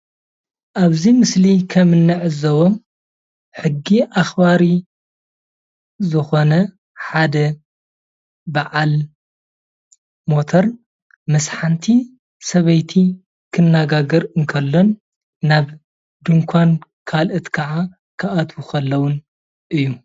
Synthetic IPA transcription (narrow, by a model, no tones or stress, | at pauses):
ʔaβzimɨslikʰɐmɨnːɨʕɨzɐwom | ħɨɡːiʔaxbaɾi | zɨxo̞nɐ | ħad̪ɐ | baʕal | mo̞t̪ʰoɾ | mɐsħant̪ʰi | sɐβɐjt̪ʰi | kʰɨnːaɡaɡɐɾɨŋkʰɐlːonː | aβ | d̪ɨŋkʷʰankʰalʔɨt̪kʰɐʕa | kʰɐʔat̪ʰwukʰɐlːɐwʊn | ʔɨjːu